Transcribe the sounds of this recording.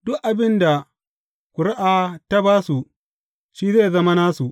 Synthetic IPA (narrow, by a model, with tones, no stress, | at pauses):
dʊ˦kʔa˨bɪ˦nda˨ | kʷʊ˨ɽa˦ʔaː˨ta˦baː˦su˨ | ʃiː˦zeː˦˨zɐ˦ma˦naː˦su˨ʔ